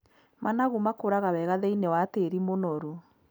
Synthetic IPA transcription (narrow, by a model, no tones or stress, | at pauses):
manaɣumakoɾaɣawɛɣaðɛinewateɾimonɔɾu